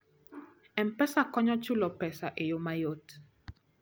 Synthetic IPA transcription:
ɛmpɛsakɔɲɔt͡ʃʊlɔpɛsaʔejomajot

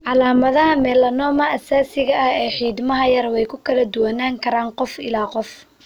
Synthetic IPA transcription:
ʕɑlaːmɐðɐɦɐmɛːlɐnɔːmɐʔːsaːsɪɣɐʔɐhɛːħiːd̪mɐɦɐjɐrwɛjkʰʊkʰɐlɐd̪ʊwɐnaːŋkʰɐɾaːnqɔfɪ̰laːqɔf

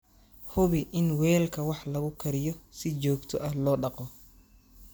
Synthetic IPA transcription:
hʊβɪʔɪnwɛːlkʰɐwɑħlɐɣʊkʰɐɾɪjɔsɪt͡ʃɔːɡt̪ʰɔʔɐhlɔːɖɑqɔ

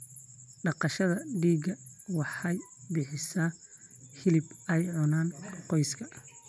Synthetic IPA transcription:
ɖɑqɑʃɐðɐɖiːɡɐwɑħɑjbɪħɪsaː | hɪlɪbɛjʕʊnaːnqɔjskʰɐ

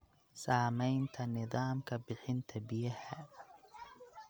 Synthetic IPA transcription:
saːmɛjnt̪ʰɐnɪðɑːmkʰɐbɪħɪnt̪ʰɐbɪjɐhɐ

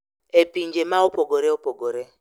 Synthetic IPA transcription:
epiɲd͡ʒemaopoɡoɾeopoɡoɾe

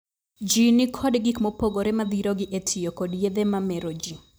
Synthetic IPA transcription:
d͡ʒinɪkʰɔdɡikmopoɡoɾɛmad̪iɾoɡɪʔetʰijokodjed̪ɛmamɛɾod͡ʒi

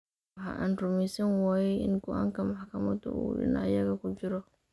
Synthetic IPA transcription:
ħɐ̰ʔa̰ːnrʊmɛjsɐnwaːjɛʔɪnɡɔʔa̰ːŋkʰɐmɑħkʰɐmɐd̪ʊ̰ṵːɗɪ̰nɐ̰jɐɣɐkʊd͡ʒɪɾɔ

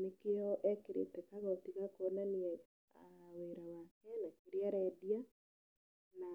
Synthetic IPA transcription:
nekeɔʔɛkeɾḛtɛkaɣɔtiɣakonaniɛ | aweɾawakɛnakeɾeaɾɛdia | na

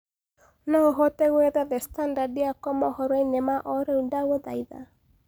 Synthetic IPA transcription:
naoɦɔtɛɣweðɛðɛstandadiakɔmɔhɔɾwainemaʔɔɾeundaweðaiða̰

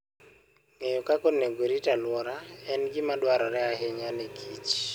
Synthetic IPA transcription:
ŋejɔkakɔneɡoɾitalwɔɾaɛnɡɪmadwaɾɔɾɛaɦeɲanekʰit͡ʃ

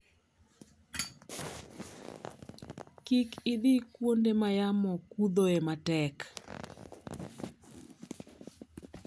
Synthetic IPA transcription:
kikɪd̪ikwondemajamɔkud̪oematɛk

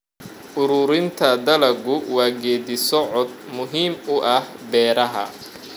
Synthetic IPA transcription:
ʔʊɾʊːɾɪnt̪ʰɐd̪ɐlɐɡʊwɑːɡɛːd̪ɪsɔʕɔd̪̚mʊɦiːmʊʔɐhbɛːɾɐɦɐ̰

